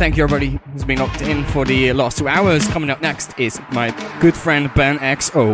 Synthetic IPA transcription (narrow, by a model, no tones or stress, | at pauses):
θæ̃ŋkjɛvɹibɑɾiɨzbĩnlɔk̚tɪ̃nfə˞ðɨlæstʰuaʊə˞z̥kʰʌ̃mɪ̃ŋʌp̚nɛkstʰɪz̥maɪɡ̥ʊd̥fɹɛ̃n̚bæ̃nɛksoʊ